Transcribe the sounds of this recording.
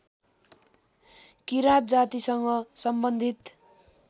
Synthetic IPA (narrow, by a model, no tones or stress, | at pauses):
kiɾat̪̚d͡zat̪isʌŋɡʌsʌmbʌnd̪ʱit̪